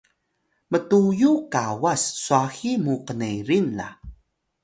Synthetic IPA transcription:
mətujukawasːuaximuqənejɾinla̰

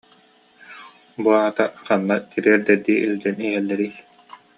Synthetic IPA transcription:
buaɦat̪aqanːat̪iɾiɛɾd̪ɛɾd̪iːʔild͡ʑɛniɦɛlːɛɾij

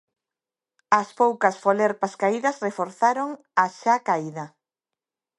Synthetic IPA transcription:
ɐspowkɐsfoleɾpaskaiðɐsrefoɾθaɾoŋ | aʃakaiðɐ

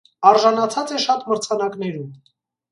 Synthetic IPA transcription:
ɑɾʒɑnɑt͡sʰɑt͡sɛʃɑt̪məɾt͡sʰɑnɑknɛɾum

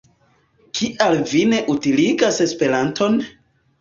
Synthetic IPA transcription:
kʰiʔalvine̞ʔutiliɡase̞spe̞ɾanto̞n

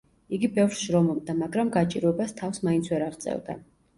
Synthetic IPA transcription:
iɡibɛvɾʃɾɔmɔb̚d̪amaɡɾamɡat͡ʃʼḭɾɔɛbast̪ʰafsmaint̪sʰwɛɾaʁt̪sʼɛ̰vd̪a̰

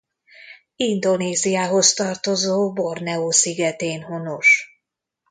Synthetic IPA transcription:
ind̪o̞neːzijaːɦo̞st̪ɒrt̪o̞zoːbornɛoːsiɡɛt̪eːnɦonoʃ

